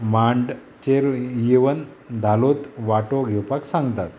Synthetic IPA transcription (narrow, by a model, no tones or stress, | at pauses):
maɳɖ | t͡ɕeɾjeʋən | d̪ʱalot̪ʋaʈoɡʱɛwpaksãŋɡt̪at̪̚